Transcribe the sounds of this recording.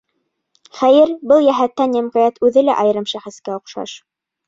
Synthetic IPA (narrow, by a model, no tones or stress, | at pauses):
χæjɘɾbɤlˠjæɦæt̪ːænjæmqɑjæt̪ʉðɘlæʔɑj̆ɾɤmʃæχɘ̆skæŏqʃɑ̰ʃ